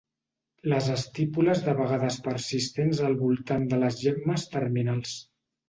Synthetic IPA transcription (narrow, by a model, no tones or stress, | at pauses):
ləzəst̪ipuləzðəβəɣaðəspəɾsist̪enzəlˠβulˠt̪and̪ələzʒɛɡməst̪əɾminalˠs